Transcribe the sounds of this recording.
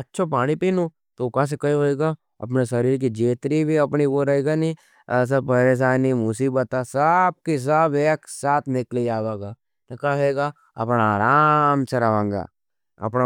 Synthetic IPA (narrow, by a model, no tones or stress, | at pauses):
ɐtːʃʰopaːɽ̃ipiːnu | t̪okãs̬ekɐiɦoeːɡa | ɐ̰p̬nesɐɾiːɾk̬id͡ʒeːt̪ɾibʱiɐpniʋoɾɐɦeːɡanĩ | s̬ɐpɐɾes̬aːnimʊsiːbət̪asɐb̚kis̬ɐbeːksaːt̪ʰnɪklejaːʋaːɡaː | nɐkaɦeːɡaː | ɐ̰pnaaːɾaːmsɐɾɐʋãːŋɡa̰ː | ɐ̰pna